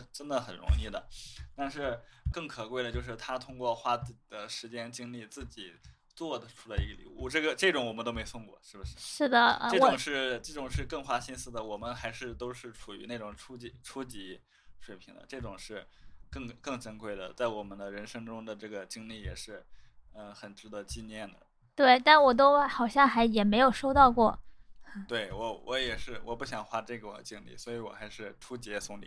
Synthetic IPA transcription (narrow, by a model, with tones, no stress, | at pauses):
ʈ͡ʂə˥nd̪ə˨xə˨˩nɻʊ̰˧˥ŋi˥˩d̪ə̰˩t̪a˥˧nʂɻ̩˥˧kɤ˥˩ŋkʰɤ˨˩kwe˥˩ɪə˩t͡ɕjo˥˧ʊʂ̬ɻ̩˥˩t̪ʰa˥t̪ʰʊ˥ŋkwɔ˥˩xwa˥t͡sd̪ə˦ʂɻ̩˧˥t͡ɕjɛ˥nt͡ɕi˥ŋli˥˧t͡sɹ̩˥˩t͡ɕi˨˩˦ | t͡swɔ˥˩d̪ə˩ʈ͡ʂʰu̥˥la˧ɪi˧˥ɡə˧lḭ˨˧˩ṵ˥˧˩ʈ͡ʂɤ˥˩ɡə˩ʈ͡ʂɤ˥˩ʈ͡ʂʊ˧˥ŋwɔ˨˩mə˦nt̪o˥ʊme˧˥ɪsʊ˥˧ŋkwɔ̰˥˩ʂɻ̩˥˩bə˩ʂɻ̩˥ʂɻ̩˥˩d̪ə˩ʈ͡ʂɤ˥˩ʈ͡ʂʊ˧˨˩ŋʂɻ̩˥˧ʈ͡ʂɤ˥˩ʈ͡ʂʊ˨˩ŋʂɻ̩˥˧kɤ˥˩ŋxwa˥ɕi˥nsɹ̩˥˩d̪ə˩wɔ˨˩mə˦nxa˧˥ɪʂɻ̩˥˧t̪o˥ʊʂɻ̩˥˩ʈ͡ʂʰu˨˩y̰˧˥ne˥˩ɪʈ͡ʂʊ˨˩ŋʈ͡ʂʰu˥t͡ɕi˧˩ʈ͡ʂʰu˥t͡ɕi˧˥ | ʂwe˨˩ɪpʰi˧˥d̪ə̰˧ʈ͡ʂɤ˥˩ʈ͡ʂʊ˨˩ŋʂɻ̩˥˧kɤ˥˧ŋkɤ˥˩ŋʈ͡ʂə˥nkwe˥˩ɪd̪ə̰˩t͡sa˥˩ɪwɔ˨˩mə˦nd̪ə˧ɻə˧˥nʂɤ˥ŋʈ͡ʂʊ˥ŋd̪ə˨ʈ͡ʂɤ˥˩ɡə˩t͡ɕi˥ŋli˥˩jɛ̰˨˩ʂɻ̩˥˩ə˧xə˨˩nʈ͡ʂɻ̩˧˥d̪ə˧˥t͡ɕi˥˧njɛ˥˩nd̪ə̰˩ | t̪we˥˩ɪt̪a˥˩nwɔ˨˩t̪̬o˥ʊxɑ˨˩ʊɕjɑ˥˩ŋxa˧˥ɪjɛ˨˩me˧˥ɪjo˨˩ʊʂo˥ʊt̪ɑ˥˧ʊkwɔ˥˩ | t̪we˥˩ɪwɔ˧˥wʔɔ˧˥jɛ˨˩ʂɻ̩˥˩wʔɔ̰˨˩pu˥˩ɕjɑ˨˩ŋxwa˥ʈ͡ʂɤ˥˩ɡə˨˩t͡ɕi˥ŋlḭ˥˩swɔ˧˥i˧˥wɔ̰˨˩xa˧˥ɪʂɻ̩˥˩ʈ͡ʂʰu˥t͡ɕjɛ˧˥sʊ˥ŋlḭ˨˩˦